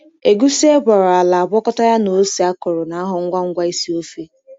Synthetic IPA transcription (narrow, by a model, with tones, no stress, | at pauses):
e˨ɡu˦si˦e˦bɔ˨ɾʊ˨a˨la˨a˨bɔ˦kɔ˦ta˦ja˦no˨˦si˨a˦kʊ˨ɾʊ˨na˨a˦ɦʊ˨ŋ̩˦ɡʷa˦ŋ̩˦ɡʷa˦i˦si˦o˦fe˦